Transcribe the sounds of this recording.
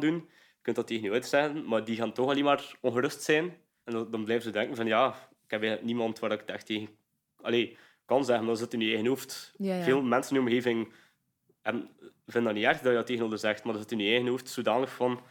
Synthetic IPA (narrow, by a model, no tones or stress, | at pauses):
dun | jəkɵntdɑtːeːɣənyœɥdərz̥ɛɣənmaːrdiɣaːntɔxɑleːmaːrɔnɣəɾɵstsɛːn | ɛndɑnblɛːvənzədɛŋkənvɑnjaː | ɪkɛpɛəknimɑntʋaːɾɪktɛxteːɣən | ɑ̰leː | kɑnzɛɣəndɔzətnynyɛɣənoftveːlˠmɛnsənyɔmɣeːvɪŋ | ɛbən | vɪndɑniɛrxdɑjədɑtːeːɣənoːdərzɛxtmardɑszətnynyɛɣənoftsoːdaːnləxfɑn